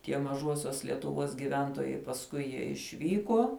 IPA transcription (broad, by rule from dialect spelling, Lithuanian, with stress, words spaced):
tʲiɛ mɐˈʒuɔsʲuɔs lʲiɛtʊˈʋuɔs ɡʲɪˈʋʲɛntuɔjɛɪ pɐsˈkʊɪ jiɛ ɪʃʲˈʋʲiːkuɔ